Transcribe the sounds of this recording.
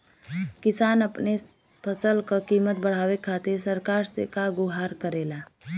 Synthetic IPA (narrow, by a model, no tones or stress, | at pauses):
kɪsaːnɐpne | pʰəsəlkəkiːmət̪̚bəɽ̤aːwekʰaːt̪eɾsəɾkaːɾsḛkaɡʊɦaːɾkəɾeːlaː